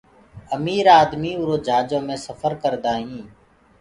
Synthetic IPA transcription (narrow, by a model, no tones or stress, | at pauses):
əmiːɾaːd̪miːʊɾoːd͡ʒʱaːd͡ʒõːmẽːsəfʰəɾkəɾd̪aːɦĩː